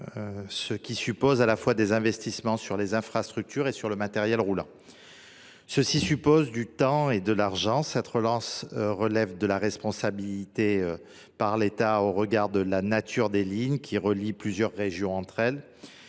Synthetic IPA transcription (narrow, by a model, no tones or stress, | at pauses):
səkʲisypozalafwad̪ezɛ̃vɛst̪ismɑ̃syʁlezɛ̃fχast̪χyk̚t̪ʰyʁesyʁləmat̪ɛʁjɛlʁulɑ̰̃ | səsisypozd̪yt̪ɑ̃ed̪əlaʁʒɑ̃sɛt̪ʁəlɑ̃sʁəlɛvd̪əlaʁɛspɔ̃sabilit̪eø | paʁlet̪aoʁəɡaʁd̪əlanat̪ʰyʁd̪eliɲkʲʰiʁəliplyzjœʁːeʒjɔ̃ɑ̃t̪χɛl